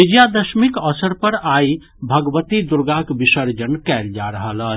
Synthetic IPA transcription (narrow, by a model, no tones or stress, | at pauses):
id͡ʒjad̪əʃmikəsəɾpəɾai | bʱəɡʋət̪id̪uɾɡakbisəɾd͡ʒənkɛld͡ʒaɾəɦələ